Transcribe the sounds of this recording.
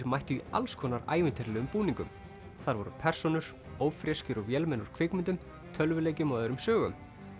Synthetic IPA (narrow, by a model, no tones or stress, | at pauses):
ɾmajht̪ʏia̰lskʰɔːnaɾa̰ːjvɪnt̪ʰɛɾlɛɣʏmpuːniŋkʏm | θaɾvɔɾʏ̰pʰɛr̥sɔnʏɾ̥ | oːwfɾjɛscʏɾɔɣvjɛlmɛnuɾ̥kʰvɪkmʏnt̪̬ʏm | t̪ʰœlvʏleːjcɪmɔːðʏɾʏmsœːɣʏm